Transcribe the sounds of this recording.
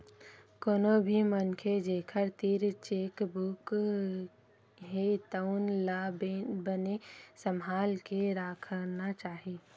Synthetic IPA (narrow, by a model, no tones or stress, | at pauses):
koːnobʱimənkʰed͡ʒeːkʰəɾt̪iːɾt͡ʃeːkbuk | ɦet̪əʊnlabənesəmɦaːlkeɾaːkʰəɾnat͡ʃaːɦeː